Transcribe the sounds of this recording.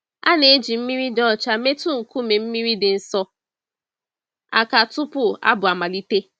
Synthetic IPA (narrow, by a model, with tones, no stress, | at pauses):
a˦ne˨˦d͡ʒi˨m̩˦mi˦ɾi˦dɔ˦˨t͡ʃa˦me˦tu˦ŋ̩˨ku˦me˨m̩˦mi˦ɾi˦dɪ˨n̩˨sɔ˦ | a̰˨ka˨tʊ˦pʊ˦a̰˦bʊ˨a˨ma˨li˦te˦